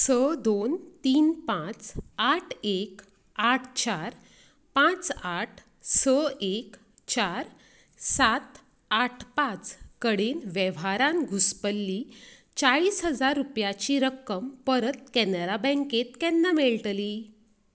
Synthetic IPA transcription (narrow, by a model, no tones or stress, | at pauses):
səd̪ont̪iːnpãt͡saʈʰek | aʈʰt͡ɕaɾ | pãt͡saʈʰ | səek | t͡ɕaɾ | sat̪ | aʈʰpãt͡skəɽenʋɛʋaɾãnɡʱuspəlːi | t͡ɕaɭiːsɦəd͡zaɾːupjat͡ɕiɾəkːəmpəɾət̪̚kɛnəɾabɛ̃ŋket̪kɛnːameɭʈliː